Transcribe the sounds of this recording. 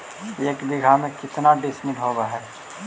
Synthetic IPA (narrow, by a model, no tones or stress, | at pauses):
eːkbɪɡʱamẽkɪt̪naɖɪsmɪʈɦoːɡaɦɛː